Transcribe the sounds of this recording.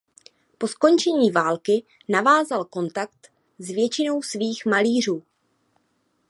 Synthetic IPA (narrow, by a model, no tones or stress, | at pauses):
po̞sko̞nt͡ʃɛɲiːvaːlkɪ | navaːzalko̞nt̪akt̪ | zvjɛt͡ʃɪno̞wsviːxmaliːr̝uː